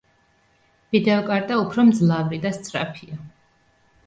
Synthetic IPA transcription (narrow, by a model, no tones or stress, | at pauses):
vid̪ɛɔkʼaɾt̪ʼaupʰɾɔmd̪zlˠavɾid̪ast̪sʼɾa̰pʰia